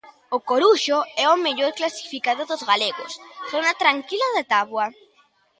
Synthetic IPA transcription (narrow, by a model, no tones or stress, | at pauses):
ʊkoɾuʃoɛʊmeʎoɾklasi̥fikaðʊðʊzɣaleɣosθonat̪ɾaŋkilaðat̪aβwa